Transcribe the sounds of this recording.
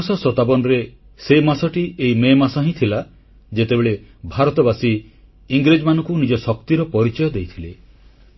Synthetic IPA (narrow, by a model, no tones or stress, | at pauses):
sɔsɔt̪abɔnɔɾe | semasɔʈiʔeimemasɔɦĩt̪ʰila | d͡ʒet̪ebeɭebʱaɾɔt̪ɔbasi | iŋɡɾed͡ʒɔmanɔ̃ŋkunid͡ʒɔsɔk̚t̪iɾɔpɔɾit͡ʃɔjɔd̪ejt̪ʰile